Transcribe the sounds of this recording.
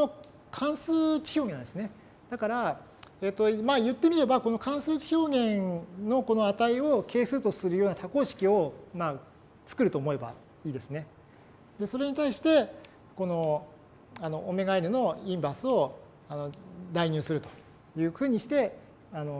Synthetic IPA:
no | kʰãɰ̃sɨːt͡ɕi̥ço̞ːɡẽnãnd̪esɨne̞ | d̪̥akaɾa | eːt̪ːo̞majɯ̟t̪ːe̞mʲiɾe̞bako̞no̞kãɰ̃sɨːt͡ɕi̥ço̞ːɡẽ̞nno̞ko̞no̞at̪aio̞kʰe̞ːsɨːt̪o̞sɨɾɯjoːnat̪ako̞ːɕi̥kʲio̞maː | t͡sɨ̥kɯ̟ɾɯ̟t̪o̞ːmo̞e̞ba̰ | iːd̪e̞sɨne̞ | d̪e̞so̞ɾe̞ɲ̟it̪aiɕi̥t̪e̞ | ko̞no̞ | ano̞ʔːme̞ɡainɯ̟no̞ĩmbasɨo̞ | ano̞d̪aiɲ̟ɨ̟ːsɨɾɯ̟t̪o̞̥ | jɯ̟ːɸɯ̟ːɲ̟iɕi̥t̪e̞ | ano̞

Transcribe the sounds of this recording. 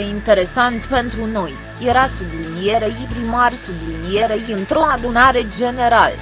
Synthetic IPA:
eint̪e̞ɾe̞sant̪pe̞nt̪ɾuno̞j | jeɾast̪ud̪julnijeɾeibɾimarst̪ud̪ulnijeɾejiɨnt̪ɾo̞ad̪unaɾe̞d͡ʒe̞ne̞ɾal

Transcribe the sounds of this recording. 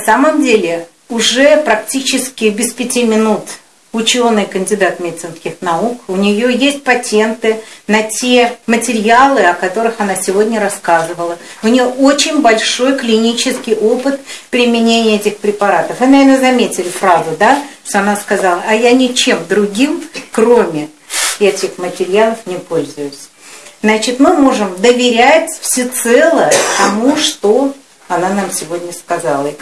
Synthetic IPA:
ɐsaməmdʲelʲɪ | ʊʐɛpɾɐktʲit͡ɕɪskʲɪbʲɪspʲɪtʲimʲɪnut̪ | ʊt͡ɕo̞nɨjkənʲdʲɪd̪at̪mʲet̪sɨnskʲɪxnɐukʊnʲɪjojesʲt̚ʲpɐtʲe̞nt̪ɨnɐtʲemətʲɪɾʲɪalˠɨɐkɐt̪o̞ɾɨxɐnasʲɪvo̞dʲnʲəɾɐskazɨvəlˠəʊnʲɪjoʔot͡ɕɪnʲbɐlʲʂo̞jklʲɪnʲit͡ɕɪskʲɪjʔo̞pɨt̪pɾʲɪmʲɪnʲenʲɪjəɛtʲɪxpɾʲɪpɐɾat̪əfɨnɐvʲernəzɐmʲetʲɪlʲɪfɾazʊd̪aʂt̪oɐnaskɐzɑlˠəɐjanʲɪt͡ɕe̞md̪ɾʊɡʲimkro̞mʲɪ | jatʲexmətʲɪɾʲɪjalˠəfnʲɪpo̞lʲzʊjʊsʲ | znat͡ɕɪt̪mɨmo̞ʐɨmd̪əvʲɪɾʲætʲfsʲɪt̪sɛlˠət̪ɐmuʂt̪o̞ | ɐnanamsʲɪvodʲnʲəskɐzalˠə

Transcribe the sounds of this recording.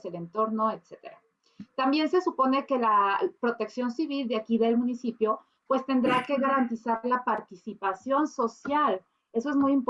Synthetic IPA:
sele̞nt̪o̞ɾnoet̪set̪e̞̰ɾa | t̪ambje̞nse̞supo̞ne̞ke̞lapɾo̞t̪e̞ksjo̞nsiβild̪eakiðe̞lmũnisipjo̞ | pwe̞st̪e̞nd̪ɾake̞ɣaɾant̪isalapaɾt̪isipasjo̞nso̞sjal | e̞so̞e̞zmujimp

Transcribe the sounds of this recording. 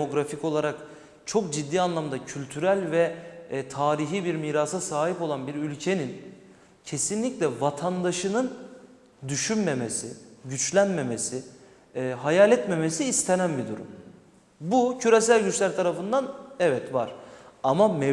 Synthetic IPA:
oɡɾafico̞lˠaɾak | t͡ʃʰo̞kd͡ʒid̪ːiːanlˠamd̪acʰylʲt̪ʰyɾælʲvɛt̪ʰaːɾiɦiːbiɾmiːɾasasaːɦipo̞lˠanbiɾylʲcʰe̞nin | cʰe̞sinlʲiclʲɛvat̪ʰand̪aʃɯnɯn | d̪yʃynme̞mesiɟyt͡ʃlʲænme̞mesiː | ɦajaːlʲɛt̪me̞mesiːst̪ʰenænbid̪ṵɾṵm | bucʰyɾesælʲɟyt͡ʃlʲæɾt̪ʰaɾafɯnd̪anɛvɛt̪vaɾ̥amamɛ

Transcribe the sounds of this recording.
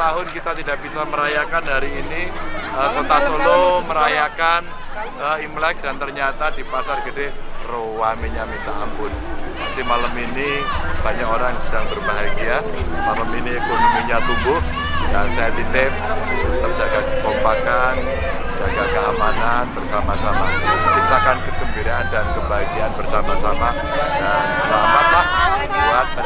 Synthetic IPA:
t̪aɦʊnkit̪at̪idaʔb̥isaməɾajakanhaɾiːniəkot̪asoloməɾajakan | əimlɛk̚dant̪ərɲat̪adipasarɡədehrowamiɲamit̪aːmpʊnmast̪imaləminib̥aɲakoɾaŋsədaŋbərbaɦaɡia | maləminikʊmuɲat̪umbʊh | dansajadit̪ɪm | t̪ərd͡ʒaɡakəpɔmpakan | d͡ʒaɡakəamananbərsamasamat͡ʃint̪akankədəmbiɾaandankəbaɦaɡianbərsamasama | dansəlamat̪lahkuat̪̚

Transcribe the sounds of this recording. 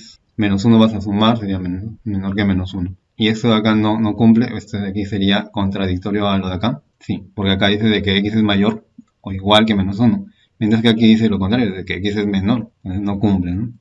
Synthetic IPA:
s | mẽ̞no̞s̬unoβasas̬umaɾs̬e̞ɾiamenome̞no̞ɾke̞me̞no̞suno | ie̞st̪oðakano̞no̞kumple̞ʔest̪oðakise̞ɾiako̞nt̪ɾað̞ik̚t̪o̞ɾjo̞alo̞ðaka | sipo̞ɾke̞akaðise̞ðe̞keekis̬e̞zmaʝo̞ɾ | oiɣwalke̞mẽ̞no̞s̬uno̞ | mjent̪ɾaskeakiðis̬elo̞kont̪ɾaɾjoðekeekise̞zmẽ̞no̞ɾno̞kumpleno

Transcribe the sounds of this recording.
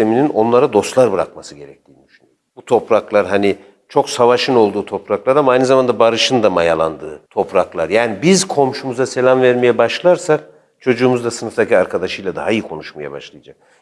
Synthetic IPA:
eminino̞nlˠaɾad̪o̞st̪lˠaɾbɯɾa̰k̚masɯɟe̞ɾɛc̚t̪ʰiːnid̪yʃyny̰jobut̪ʰo̞pɾaklˠaɾɦani | t͡ʃʰo̞ksavaʃɯno̞lˠd̪uːt̪ʰo̞pɾaklˠaɾamaajnɯzamand̪abaɾɯʃɯnd̪amajalˠa̰nd̪ɯːt̪ʰo̞pɾaklˠaɾjaːnibizkʰo̞mʃumuzase̞lʲamvæɾmejɛbaʃlˠaɾsak̚ | t͡ʃʰo̞d͡ʒuːmuzd̪asɯnɯft̪ʰaciaɾkʰad̪aʃɯjlˠad̪aɦaijikʰo̞nuʃmaja̰ba̰ʃlˠɯjad͡ʒak̚

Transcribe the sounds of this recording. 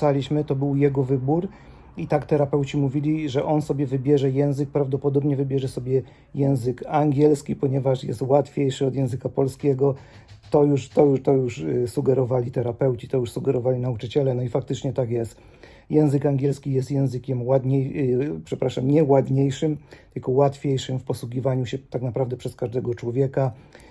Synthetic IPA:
alʲiɕmɘt̪ɔbɘwjɛɡɔvɘbuɾ | it̪akt̪ɛɾapɛwt͡ɕimuvʲilʲiʐɛʔɔnsɔbʲjɛvɘbʲjɛʐɛjɛ̃w̃zɘk̚pɾavd̪ɔpɔd̪ɔbɲɛvɘbʲjɛʐɛsɔbʲjɛ | jɛ̃w̃zɘkaŋɡʲɛlskʲipɔɲɛvaʂjɛ̰st̪wat̪fʲjejʂɘɔd̪jɛ̃w̃zɘkapɔlskʲɛɡɔ | t̪ɔjuʂt̪ɔjuʂt̪ɔjuʂsuɡɛɾɔvalʲit̪ɛɾapɛwt͡ɕi̥t̪ɔjuʂsuɡɛɾɔvalʲinaut͡ʂɘt͡ɕɛlɛnɔifak̚t̪ɘt͡ʂɲɛt̪akjɛst̪ | jɛ̃w̃zɘkaŋɡʲjɛlskʲijɛst̪jɛ̃w̃zɘkʲɛmwad̪ɲejpʂɛpɾaʂamɲɛwad̪ɲejʂɘmt̪ɘlkɔwat̪fʲjejʂɘmfpɔswuɡʲivaɲuɕɛt̪aknapɾavd̪ɛpʂɛskaʐd̪ɛɡɔt͡ʂwɔvʲjɛka

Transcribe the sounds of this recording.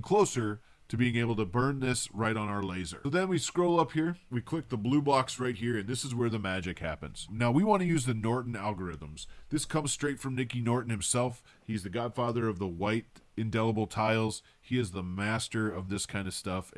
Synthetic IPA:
kʰl̥oʊsə˞ | ɾɨbiɪ̃ŋeɪbl̩ˠtʰɨbɜ̃˞nðɪsɹaɪɾn̩aʊə˞leɪzə̰˞oʊðɨ̃nwiskɹoʊlˠʌphiɹwikʰl̥ɪk̚ðəblubɑksɹaɪt̚hiɹɨ̃nðɪsɨzwə˞ðɨmæd͡ʒɨkhæ̰pɨ̰̃nz̥naʊwiwɑ̃ñɨjʉzðɨnɔɹʔn̩ælˠɡə˞ɪðə̃mz̥ðɪskʰʌ̃mz̥stɹ̥eɪtfɹʌ̃mnɪkinɔɹʔn̩hɨ̃msɛlˠf | hiɨzðɨɡɑd̥fɑðə˞ʌvðəwaɪɾɨ̃ndɛlˠəbl̩ˠtʰaɪlˠz̥ | hiɨzðəmæstə˞ʌvðɪskʰãɪ̃ndʌ̥stʌf

